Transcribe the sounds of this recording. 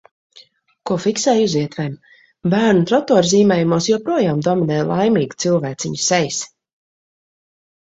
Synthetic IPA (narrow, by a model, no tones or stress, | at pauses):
kuɔfiksɛːjuziɛt̪vɛm | bæːɾnut̪ɾɔt̪ɔːɾziːmɛːjumuːsjɔpɾuɔjaːmd̪ɔminɛːjlˠʔajmiːɡt̪silˠvæːt̪sʲiɲsɛjs